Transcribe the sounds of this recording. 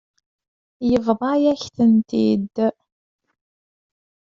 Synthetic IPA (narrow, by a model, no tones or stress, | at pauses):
jəvðˤɑjæçθənt̪ḭd̪